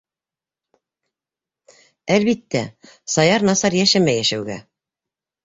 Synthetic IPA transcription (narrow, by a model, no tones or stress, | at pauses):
ælβit̪ːæ | sɑjɑɾnɑsɑɾjæʃæmæjæʃæwɡæ̰